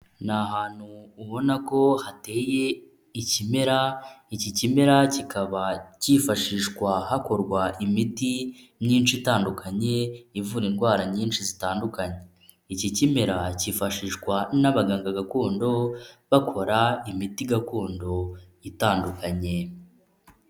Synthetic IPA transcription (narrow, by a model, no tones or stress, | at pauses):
naɦaːn̥huːβo̞nako̞hate̞ːje̞ | icime̞ɾaicicime̞ɾacikʰaβacifaʃiːʃkwahako̞ɾɡwaʔimiti | mɲiːnʃitaːndukʰaɲe̞ivuɾinɡwaːɾaɲiːnʃizitaːndukaɲe | icicime̞ɾaciːfaʃiːʃkwanaβaɡaːŋɡaɡakuːndo̞βakʰo̞ɾaimitiɡakuːndo̞ | itaːndukaɲe̞